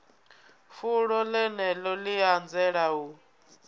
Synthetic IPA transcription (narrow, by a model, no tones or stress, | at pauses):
fuɺɔlɛnɛlɔliand͡zɛɺau